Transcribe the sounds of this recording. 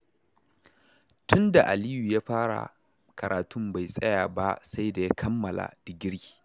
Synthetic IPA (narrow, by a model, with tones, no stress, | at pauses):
tʊ˦nda˨ʔa˨liː˦ju˨jaː˦ɸaː˦ɽa̰˨ | kɐ˨ɾʔaː˨tʊ˦mba˨jsʼɐ˦jaː˨ba˦sa˦jda˨ja˦kʰɐ˦mːɐ˨la̰˨dɪ˨ɡʲɪ˦ɽi̥˨